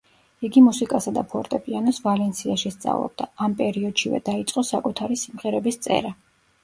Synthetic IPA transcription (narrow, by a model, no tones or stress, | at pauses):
iɡimusikʼasad̪apʰɔɾt̪ʼɛpʼianɔsvalɛnt̪sʰiaʃist̪sʼa̰vlˠɔ̰b̚d̪aːmpʼɛɾiɔd̪̥ʃivɛ̰d̪̥ait̪sʼqʼɔsakʼut̪ʰaɾisimʁɛɾɛbist̪sʼɛ̰ɾa